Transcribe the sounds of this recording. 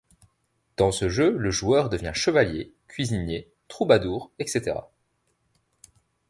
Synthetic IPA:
d̪̥ɑ̃səʒøləʒuœʁd̪əvjɛ̃ʃəvaljekʲɥizinje | t̪χubad̪uːʁɛkset̪eʁa̰

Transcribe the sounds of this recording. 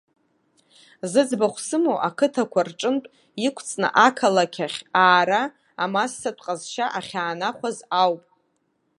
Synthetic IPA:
zɨd͡zbaχʷsɨmowʔakʰɨtʰakʷʰarʈ͡ʂʼɨntʼ | ikʷʰt͡sʰʼnɨ̰ʔakʰalakʲʰaχʲaːɾaː | masːatʷʰʼqʼazʃaʔaχʲaːnaχʷazawpʼ

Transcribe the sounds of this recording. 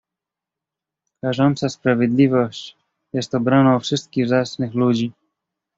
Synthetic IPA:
kaʐɔnt̪saspɾavʲjed̪lʲivɔɕt͡ɕ | jɛst̪ɔbɾanãfʂɘst̪̚kʲiɣvzasnɘxlud͡ʑi

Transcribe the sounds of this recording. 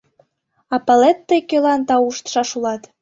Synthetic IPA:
ɑpɑlet̪ːəjkølɑnt̪ɑuʃt̪ʃɑʃulɑt̪

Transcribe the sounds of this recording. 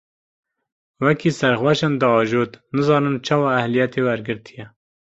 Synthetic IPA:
wɛkiːsæɾxwɛʃɛnd̪ɨɑːʒoːt̪nɨzɑːnɨmt͡ʃʰɑːwɑːæhlijɛt̪ewæɾɡɨɾt̪ʰijɛ

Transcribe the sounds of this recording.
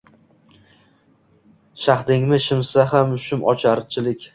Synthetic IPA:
ʃaχd̪ɪŋmɪʃɪmsaɦamʊʃʊmɒt͡ʃʰaɾt͡ʃʰɪlɪkʲ

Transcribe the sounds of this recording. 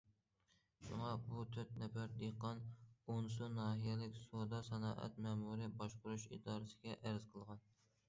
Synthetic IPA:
ʃṵŋɑbut̪ʰøt̪̚nɛfæɾd̪eqːɑnonsunɑːɦijɛlɪkʲsod̪ɑsɛnɑːʔɛ̰t̪mɛmuɾɪbɑʃqʊɾuʃḭd̪ɑːɾɨsɪɡʲɛʔæɾɪz̥qʰəlˠʁɑn

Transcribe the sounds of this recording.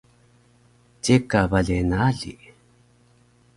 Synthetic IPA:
t͡ɕekavaɮenaɮḭ

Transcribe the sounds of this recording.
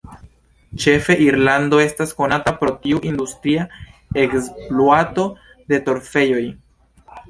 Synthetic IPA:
t͡ʃe̞fe̞ʔiɾlando̞e̞stasko̞natapɾo̞tiuʔindustɾiaeksploato̞ | de̞to̞ɾfe̞jo̞j

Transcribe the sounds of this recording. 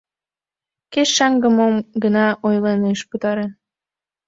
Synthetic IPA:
keʃʃɑŋɡəmomɡənɑʔojleneʃput̪ɑɾe

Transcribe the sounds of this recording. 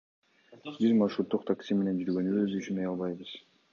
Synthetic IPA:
bizmɑʃɾut̪ːuqt̪ʰaksʲime̞ne̞nd͡ʒyɾɡø̞nyøzyʃymejɑlˠβɑjbɯz

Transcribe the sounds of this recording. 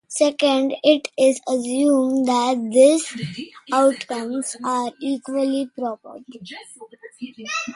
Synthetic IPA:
sekə̃ɳɖɪʈɪzəsjũːmɖd̪æʈ̚d̪ɪsaʊʈkʌ̃mzaːɾiːkʋəlipɾɔːpə̰ɾʈ

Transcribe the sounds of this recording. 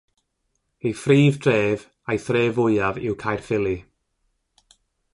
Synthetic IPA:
ejfriːvd̥reːv | ajθreːvʊjavɪ̰wkʰajrfɪlˠi

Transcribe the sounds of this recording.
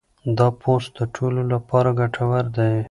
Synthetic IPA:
d̪ɑpʰost̪̚d̪əʈʰololapɑɾaɡaʈʰawaɾd̪aj

